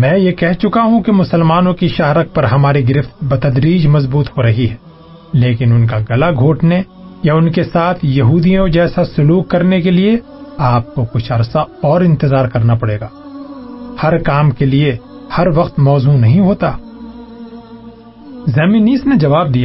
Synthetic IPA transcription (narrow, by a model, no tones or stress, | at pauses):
mɛ̃ːjekɛɦt͡ʃʊkaɦũkemʊsəlmaːnõkiʃaːɾək̚pɐɾɦɐmaːɾiɡɪɾɪft̪̚bɐt̪ɐd̪ɾiːd͡ʒmɐzbuːt̪hoɾɐɦiɦɛ | leːkɪnʊnkaɡɐlaɡʱoːʈne | jaʊnkesaːt̪ʰjɐɦuːd̪ijõd͡ʒɛːsasʊluːkːɐɾnekelie | aːp̚kokʊt͡ʃʰɐɾsaɔːɾɪ̃nt̪ɪzaːɾkɐɾnapɐɽeːɡaː | hɐɾkaːmkelie | hɐɾʋɐqt̪mɔːzunɐɦĩɦoːt̪aː | zɛːminiːsned͡ʒɐʋaːb̚d̪ijaː